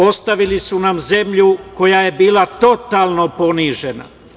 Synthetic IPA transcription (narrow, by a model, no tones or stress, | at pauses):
o̞st̪aʋilisunamze̞mʎuko̞jaje̞biːlat̪o̞t̪aːlˠnopo̞niʒe̞na̰